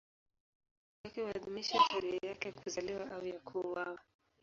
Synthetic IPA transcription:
wakiwaðumiʃaʃɛɾihɛjakɛkuzaliwaawjakʰuwawa

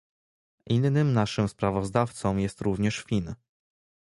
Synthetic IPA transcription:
ʔinːɘmnaʂɘmspɾavɔzd̪aft̪sɔ̃mjɛst̪ɾuvɲɛʂfʲin

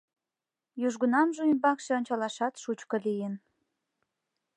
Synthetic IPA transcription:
juʒɡunɑmʒuymbɑkʃĕonʲt͡ɕɑlɑʃɑt̪ʃut͡ɕkɤ̆lijən

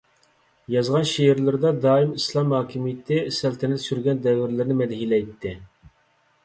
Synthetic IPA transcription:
jɑzʁɑnʃiɪɾlɪɾd̪ɑd̪ɑːimislˠɑmhɑːkʲʰimijɪt̪ʰɪsɛlt̪ʰɛnɛt̪syɾɡʲɛnd̪ɛvːɪɾlɪɾnɪmɛd̪hilɛjt̪ʰːɪ

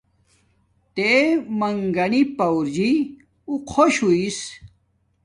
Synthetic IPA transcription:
t̪emɐŋɡɐnipɐwɾd͡ʑi | uqʰoɕuis

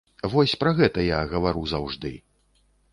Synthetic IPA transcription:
vɔsʲpɾɐɣɛt̪ɐjaɣɐvaɾuzawʐd̪ɨ̰

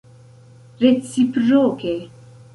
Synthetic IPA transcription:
ɾet͡sːipɾoːke

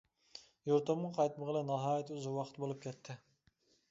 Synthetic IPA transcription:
joɾt̪omqʰɑjt̪məʁəlˠɛnɑɦɑːjɛt̪ʰuzʊwɑqʰə̥t̪bolˠup̚kʲɛt̪ʰːɪ

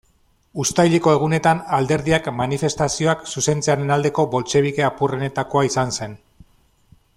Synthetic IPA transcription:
ust̪ajʎe̞ko̞e̞ɣ̞une̞t̪anald̪e̞ɾðiakmanife̞st̪asio̞aksuse̞nt͡seaɾe̞nald̪e̞ko̞bo̞lt͡ʃe̞β̞ike̞apurene̞t̪ako̞aisanse̞n

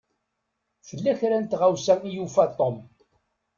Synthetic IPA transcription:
fəlːæçɾænt̪ʁawsæijufæt̪ˤːom

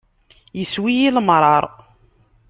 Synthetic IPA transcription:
jəswijiləmɾˤɑɾˤ

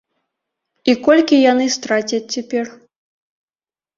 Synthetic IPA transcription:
ikɔlʲkʲijanɨst̪ɾat͡sʲɐt͡sʲt͡sʲːapʲɛr

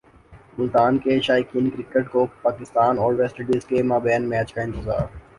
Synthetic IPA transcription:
mʊlt̪aːnkeʃaːjkɪ̃nkɾɪkeʈkoːpaːkɪst̪aːnɔːɾʋɛsʈəɖizkemaːbɛːnmɛːt͡ʃkaɪ̃nt̪ɪza̰ːɾ

